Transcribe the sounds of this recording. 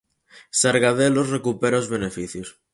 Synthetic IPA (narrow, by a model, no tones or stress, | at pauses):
saɾɣaðelosrekupeɾaozβenefiθjos